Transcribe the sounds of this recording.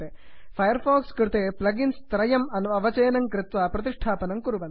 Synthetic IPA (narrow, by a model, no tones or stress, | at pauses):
e | fɐjɐɾfoːkskɾɪt̪eplɐɡinst̪ɾɐjɐmɐnɐʋɐt͡ʃeːnɐŋkɾɪt̪ʋɐpɾɐt̪iʂʈʰaːpɐnɐmkuɾubɐn